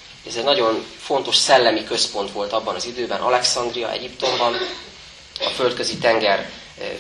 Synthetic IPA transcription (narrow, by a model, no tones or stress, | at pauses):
ɛzɛɟnɒɟo̞nfo̞n̪t̪o̞ʃsɛlːɛmikø̞spo̞n̪t̪ʋo̞lt̪ɒbːɒnɒzid̪øːbɛnʔɒ̰lɛksɒnd̪rijɒ̰ʔɛ̰ɟipt̪o̞mbɒn | ɒ̰fø̞lt̪kø̞zit̪ɛŋɡɛr